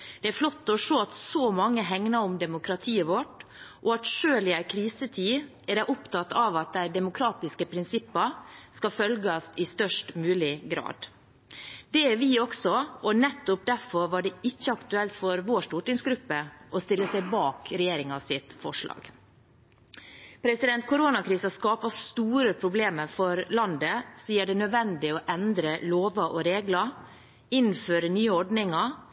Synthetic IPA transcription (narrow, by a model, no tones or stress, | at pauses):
d̪̥ɛæɾflɔt̪ːɔʂoːɑt̪sɔmɑŋːəɦɛŋnɑʊmd̪ɛmʊkɾɑt̪ʰiːəʋɔʈʔɔɑt̪ʂøːlɪækʰɾiːsət̪ʰiː | æɾæʔʊpt̪ɑt̪ːɑʋɑt̪̚d̪æɪd̪ɛmʊkʰɾɑːt̪ɪskəpʰɾɪnsɪpːɑskɑfœlɡɑsɪst̪œʂʈmʉːlɪɡɾɑ̰ːd̪ | d̪ɛɛʋɪɔksɔɔnɛt̪ːɔp̚d̪æɾfɔɾʋɑɖɛɪçːəɑkt̪ʉɛlt̪fɔɾʋoːʂt̪uːʈɪŋsɡɾʉpːəʔɔst̪ɪlːəsæɪbɑːkɾɛjeːɾɪŋɑsɪt̪fɔʂɭɑ̰ːɡ̥ | pʰɾɛsɪd̪ɛnt̪̚kʰʊɾonɑkʰɾiːsɑskɑːpɑst̪uːɾəpʰɾʊbleːməɾfɔɾlɑnd̪əsɔjiːɖɛnœd̪ʋɛnd̪ɪɔʔɛnd̪ɾəloːʋɑʔɔɾeːɡlɑ | ɪnːføːɾənyːəɔɖnɪŋɑ